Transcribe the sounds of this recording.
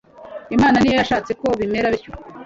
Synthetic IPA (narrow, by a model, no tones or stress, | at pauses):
imaːnaniːjojaʃaːt͡se̞ko̞βime̞ɾaβiɾco